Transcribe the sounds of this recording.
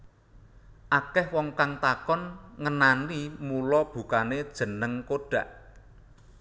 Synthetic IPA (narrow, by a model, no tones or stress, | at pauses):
ʔakɛhwɔŋkaŋt̪akɔnŋənanimulɔb̥ṳkaned̥ʒ̥ə̤nəŋkoɖ̥ä̤ʔ